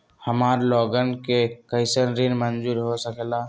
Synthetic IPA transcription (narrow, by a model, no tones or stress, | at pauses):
həmaːɾlɔːɡənkekəɪsənɾinmənd͡ʒuːɾɦosəkla